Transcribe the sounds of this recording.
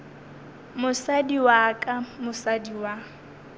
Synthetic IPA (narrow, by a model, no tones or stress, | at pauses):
mʊsadiwakʼamʊsadiwa